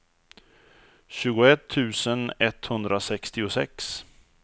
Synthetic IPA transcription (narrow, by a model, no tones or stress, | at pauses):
ɕʉ̟ːɡʊɛt̪ʰːʉ̟ːsənɛt̪ːhɵnd̪ɾasɛkst̪ɪʊsɛ̰ks